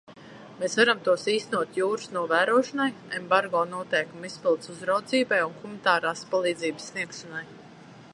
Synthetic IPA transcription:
meːsvaɾamt̪uɔsiːst̪enuɔt̪juːɾu̥snuɔvæːɾuɔʃɔnajembaɾɡɔːnuɔt̪ɛjkumispilˠt̪suzɾawd̪ziːbajunxumnt̪aːɾaːspalˠiːd̪ziːbsːniɛkʃanaj

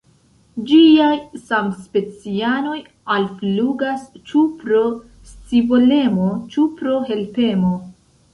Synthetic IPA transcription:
d͡ʒiajsamspe̞t͡siano̞j | alfluɡast͡ʃupɾo̞ | st͡sibole̞mo̞t͡ʃupɾo̞ɦe̞lpe̞mo̞

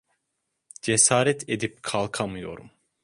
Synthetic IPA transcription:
d͡ʒesaːɾɛt̪ʰed̪ip̚kʰalˠkʰamɯjo̞̰ɾṵm

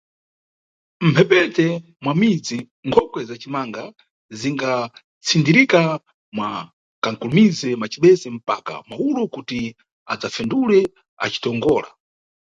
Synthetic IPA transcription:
m̩pʰɛpɛtɛ | mwamid͡zi | ŋkʰɔkwɛzat͡ʃimaŋɡa | ziŋɡa | t͡sʰindiɾika | mwa | kaŋkulumizɛmat͡ʃiɓɛzɛm̩pa̰ka̰maulukuti | a̰d͡zafɛndulɛ | a̰t͡ʃi̥tɔŋɡɔːla̰

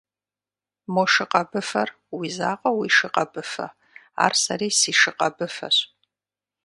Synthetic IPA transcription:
moʃɨqʼɐbɨfɐr | wiːzaːqʼɐwiʃɨqʼɐbɨfɐ̰ | a̰ːrsɐɾiːsiːʂɨqɐbɨfɐ̰ɕ

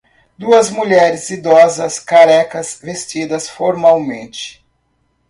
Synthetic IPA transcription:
d̪uɐzmuʎɛɾɪzid̪ɔzɐskaɾɛkɐsvest͡ʃid̪ɐsfoɾmawmẽnt͡ʃɪ̥

